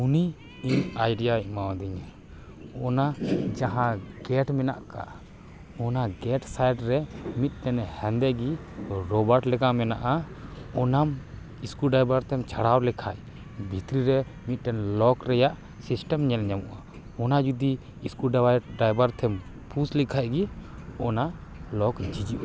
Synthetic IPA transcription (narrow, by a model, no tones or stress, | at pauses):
uni | iɲajɖijaɛmawad̪iɲa | ɔnad͡ʒaɦãɡɛʈmɛna̰ʔka̰ | ɔnaɡɛʈsajɖɾɛmit̪̚ˀʈɛnhɛnd̪ɛɡi | ɾɔbaɾʈlɛɡamɛna̰ʔa | ɔnam | iskuɖajbaɾt̪ʰɛmt͡ʃʰaɽawlɛkʰaj | bʱit̪ɾiɾɛ | mit̪̚ˀʈɛnlɔkɾɛjaʔ | sisʈɛmɲɛlɲamṵʔa | ɔnad͡ʒud̪iː | skuɖɖajbaɾt̪ʰɛm | pʰuslɛkʰaʔɡiɔnalɔkd͡ʒid͡ʒiʔa